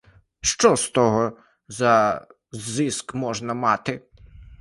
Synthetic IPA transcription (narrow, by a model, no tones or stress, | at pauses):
ʃt͡ʃɔst̪ɔɦɔ | zɐ | zːɪskmɔʒnɐmɑt̪ɪ